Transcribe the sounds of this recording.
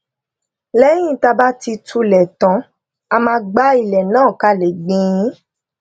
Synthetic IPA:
lɛ˦j̃ĩ˦˨ta˧ba˦ti˧tʰu˧lɛ˨tã˨˦ | a˧mãː˧ɡ͡ba˦i˧˨lɛ˨nãː˦˨ka˧˨le˨ɡ͡bĩ˧˦

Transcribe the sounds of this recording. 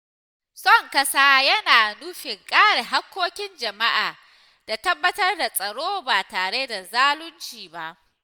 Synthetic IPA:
sʼɔ˦˨ŋkɐ˦saː˦jɐ˦naː˨nuː˦ɸɪ˨ŋkʼaː˦ɽe˨ɦa˦kʷːoː˦kʲɪ˦nd͡ʒɐ˨ma˦ʔaː˨ | d̥a˨tɐ˦bːɐ˦tɐ˦rda˨sʼɐ˨ɽoː˦baː˨taː˨ɽe˦da˨zaː˦lʊ˦nt͡ʃiː˨ba˨ʔ

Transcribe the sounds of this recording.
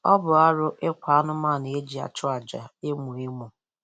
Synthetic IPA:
ɔ˦bʊ˨a˦ɾʊ˦ʔɪ˦kʷa˨a˦nʊ˦ma˦˨ne˨e˦d͡ʒi˨a̰˨t͡ʃʊ˦a˨d͡ʒa˨e˦mu˨e˦mu˨

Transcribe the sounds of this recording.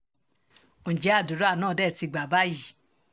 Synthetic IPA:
õ˨d͡ʒɛ˨˦a˦˨du˨˦ɾo˦a˦˨nãː˦˨dɛ˦˨ti˧ɡ͡ba˨ba˦ji˦˨

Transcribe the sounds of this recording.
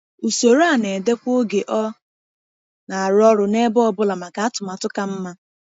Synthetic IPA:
u˨so˨ɾa˦˨ne˨de˦kʷo˦ɡe˨ʔɔ˦ | na˨a˨ɾɔ˦ɾʊ˨ne˦bɔ˦ɔ˦˨bʊ˦la˨ma˨ka˨a˦tʊ˨ma˨tʊ˦ka˨m̩˦ma˦

